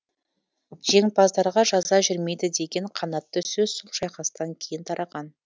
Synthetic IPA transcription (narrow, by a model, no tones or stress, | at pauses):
ʒ̥e̞ŋpɑzd̪ɑɾʁɑʒɑzɑʒʏɾme̞jd̪ɪd̪e̞ɡʲe̞ɴqʰɑnɑt̪ːəsɵz̥solˠʃɑjqɑst̪ɑŋkʲʰe̞jɪnt̪ʰɑɾʔɑʁɑn